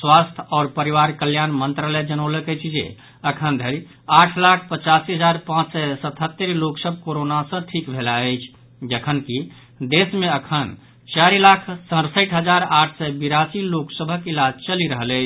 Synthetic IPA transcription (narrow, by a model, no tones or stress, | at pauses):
swast̪ʰɔːɾpəɾiwaɾkəljanmənt̪ɾaləjd͡ʒənələkət͡ʃʰd͡ʒḛ | əkʰənd̪ʱəɾi | aʈʰlakʰpət͡ʃasiɦəd͡ʒaɾpãt͡ʃsɛsət̪ʰɦət̪ːəɾloksəbʱkoɾonasə̃ʈʰikbʱelaəɪt͡ʃʰ | d͡ʒəkʰənki | d̪esmẽəkʰən | t͡ʃaɾilakʰsə̃ɾsəɪʈʰɦəd͡ʒaɾaːʈʰsɛbiɾasiloksəbʱəkilad͡ʒt͡ʃəliɾəɦələɪt͡ʃʰ